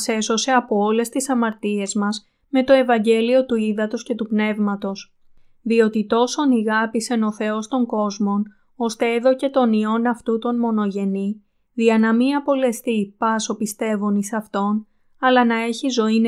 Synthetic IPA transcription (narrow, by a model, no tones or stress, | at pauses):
se̞so̞se̞ɐpoole̞st̪isɐmɐɾt̪ie̞zmɐz | me̞t̪o̞e̞vɐɲɟe̞lio̞t̪uiðɐt̪o̞sce̞t̪upne̞vmɐt̪o̞s | ðio̞t̪it̪o̞so̞niɣɐpise̞no̞θe̞o̞st̪o̞ŋɡo̞zmo̞n | o̞st̪e̞eðo̞ce̞t̪o̞nio̞nɐft̪ut̪o̞nmo̞no̞ʝe̞ni | ðiɐnɐmiɐpo̞le̞st̪ipɐso̞pist̪e̞vonisɐft̪o̞n | ɐlɐnɐe̞çizo̞in